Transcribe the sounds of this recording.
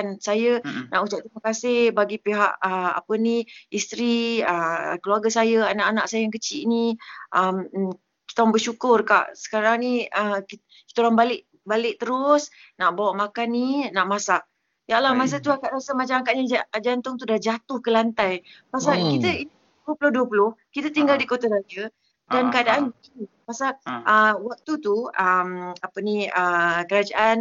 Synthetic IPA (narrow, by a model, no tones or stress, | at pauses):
nsajəna̰ʔut͡ʃaʔ̚t̪ɾiməkasɪhbaɡipeɦaʔəa̰pəniist̪ɾiə̰kəluaɡasajəanaʔanaʔsajəjaŋkət͡ʃiʔniʔəm | ki̥t̪aoɾaŋbəʃukʊrka̰ʔsə̥kaɾaŋniək | kit̪aoɾaŋbalɪʔ | balɪʔ̚t̪əɾʊs | naʔbawaʔmakanːinaʔmasaʔ | jaʔlamas̬ət̪uakaʔɾasəmat͡ʃamakaʔɲaad͡ʒant̪ʊŋt̪udad͡ʒat̪ʊhkəlant̪ajpasalkit̪əi | duəpulʊhduəpulʊhkit̪ət̪iŋɡaldikot̪aɾad͡ʒə | dankəadaʔaniipasalʔəwak̚t̪ut̪uəmapəniəkəɾad͡ʒaʔan